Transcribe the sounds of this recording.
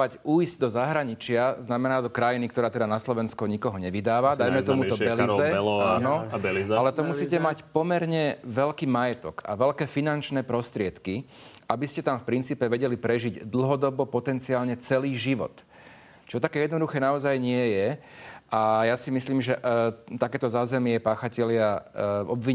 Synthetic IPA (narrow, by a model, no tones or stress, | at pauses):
acuːjzɟd̪ɔzaɦɾaɲit͡ʃɪaznamɛnaːd̪ɔkɾajinik̚t̪ɔɾaːt̪ɛd̪anaslɔʋɛnskuɲikɔɦɔɲɛʋid̪aːʋad̪ajmɛt̪ɔmuɔbɛlizɛlaːnɔbɛlialɛt̪ɔmusiːcɛmacpɔmɛɾɲɛʋɛlkiːmajɛt̪ɔka̰ʋɛʎkɛːfinant͡ʃnɛːpɾɔst̪ɾɪɛt̪ki | ʔabiscɛt̪amfpɾint͡siːpɛʋɛɟɛlipɾɛʒiɟd̪l̩ɦɔd̪ɔbɔpɔt̪ɛnt͡siaːlɲɛt͡sɛliːʒiʋɔ̰t̪ | t͡ʃɔt̪akɛːjɛd̪nɔd̪uxɛːnaɔzajɲɪɛjɛ | ʔajasimisliːmʒɛʔt̪akɛːt̪ɔzaːzɛmɪɛpaːxacɛlɪaɔbʋiɲ